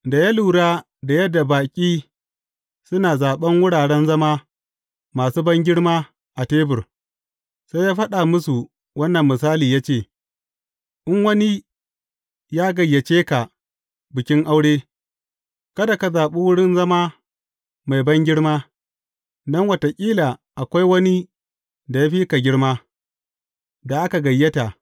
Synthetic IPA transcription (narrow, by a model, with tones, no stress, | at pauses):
da˨ja˦luː˨ɽaː˦ | da˨jɐ˦dːa˨baː˨kʲʼiː˦ | sʊ˦naː˨zaː˨ɓɐ˦ŋwʊ˦ɽaː˨ɽɛ˦nzɐ˦maː˦ | maː˨suː˦bɐ˦ŋɡʲɪ˦ɽmaː˦ | ʔa˨teː˦bʊ˨r | sa˦jaː˦ɸɐ˦ɗa˨mʊ˦su˨ | wɐ˦nːɐ˨mːɪ˨s̬aː˦liː˨jaː˦t͡ʃeː˦˨ | ʔɪ˦ŋwɐ˦ni˦ | jaː˦ɡɐ˨jːɐ˨t͡ʃeː˦ka˨ | bɪ˨kʲɪ˦ŋʔa˦wɽeː˦ | kɐ˦da˨ka˨zaː˨ɓu˦wʊ˦ɽɪ˦nzɐ˦maː˦ | ma˨jbɐ˦ŋɡʲɪ˦ɽmaː˦ | nɐ˦ŋwɐ˨ta˨kʲʼiː˦laː˨ʔa˨kʷa˦jwɐ˦ni˦ | da˨ja˦ɸiː˦ka˨ɡʲɪ˦ɽmaː˦ | da˨ʔa˦ka˨ɡɐ˨jːɐ˦ta˨